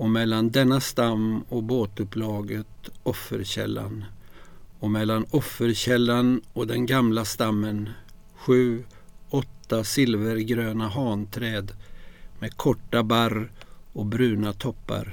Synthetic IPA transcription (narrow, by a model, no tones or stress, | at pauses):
ɔmɛlːand̪ɛnːast̪amɔboːt̪ɵplɑːɡət̪ɔfːə̰ɾɕɛ̰lːa̰n | ɔmɛlːanɔfːəɾɕɛlːanɔd̪ɛnɡamlast̪amːən | ɧʉ̟ːɔt̪ːasɪlvəɾɡɾøːnaɦɑːnt̪ʰɾɛːd̪meːkʰɔʈːabaɾ | ɔbɾʉ̟ːnat̪ʰɔpːa̰ɾ